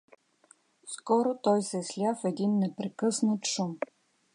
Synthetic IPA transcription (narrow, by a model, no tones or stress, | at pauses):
skɔɾot̪ɔjsɛslʲafɛd̪inːɛpɾɛkɤsnət̪ʃum